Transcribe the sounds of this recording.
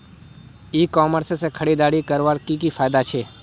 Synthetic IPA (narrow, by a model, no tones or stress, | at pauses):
ikɔməɾsesekʰəɽid̪aɽikəɾʋaɾkikifʰaːjd̪at͡ʃʰeː